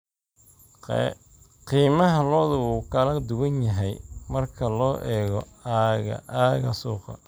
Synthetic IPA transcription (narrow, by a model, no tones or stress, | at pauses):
qiːmɐɦɐlɔːðʊɣuːkʰɐlɐd̪ʊɣɐnjɐɦɛjmɐrkʰɐlɔːʔɛːɣɔaɣɐ̰aːɣɐsuːqɑ̰